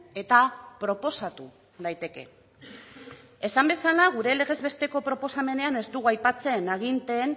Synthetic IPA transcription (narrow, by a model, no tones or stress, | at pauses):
e̞t̪apɾo̞po̞sat̪u | ðajt̪e̞ke̞̰ | e̞sambe̞salaɣ̞uɾe̞le̞ɣ̞e̞zβe̞st̪e̞ko̞pɾo̞po̞same̞ne̞ane̞zt̪uɣuajpat͡se̞naɣ̞int̪e̞ːn